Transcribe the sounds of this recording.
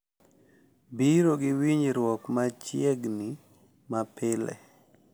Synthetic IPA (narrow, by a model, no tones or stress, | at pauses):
biɾoɡɪwiɲɾwɔkmat͡ʃjɛɡni | mapɪlɛ̰